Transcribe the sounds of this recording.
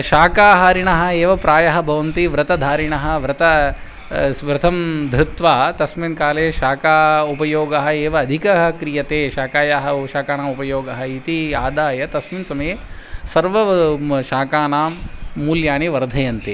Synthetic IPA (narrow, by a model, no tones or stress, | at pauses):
ʃaːkaːɦaːɾiɳɐɦɐ̆eːʋɐpɾaːjɐɦɐbʱɐʋɐnt̪iʋɾɐt̪ɐd̪ʱaːɾiɳɐɦɐ̆ʋɾɐt̪ɐ | ʋɾɨt̪ʰɐmd̪ʱɾut̪ʋaːt̪ɐsminkaːleːʃaːkaːupɐjoːɡɐɦɐeːʋɐːd̪ʱikɐɦɐkɾijɐt̪eːʃaːkaːjaɦɐʃaːkaːnaːmupɐjoːɡɐɦɐit̪iaːd̪aːjɐt̪ɐsminsɐmɐjeːsɐɾʋɐʃaːkaːnaːmːuːljaːɳiʋɐɾd̪ʱɐjɐnt̪eː